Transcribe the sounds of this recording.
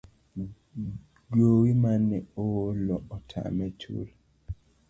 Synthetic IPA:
ɡjowimanːɛowolɔɔtʰa̰mɛt͡ʃṵl

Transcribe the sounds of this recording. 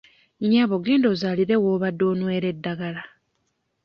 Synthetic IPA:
ɲaβoɡe̞ːndoːzaliɾe̞woːβadːo̞ːnwe̞ːɾedːaɡala

